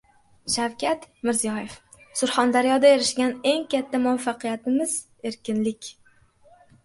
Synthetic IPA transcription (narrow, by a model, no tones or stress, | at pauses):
ʃawkʲʰat̪mɪɾzijɒje̞f | sʊɾχɒnd̪aɾijɒd̪aeɾɪʃɡʲane̞ŋkʲʰat̪ʰːamʊafːɑqʰɨjat̪ɪmɪz̥ | e̞ɾkʲɪnlɪkʲ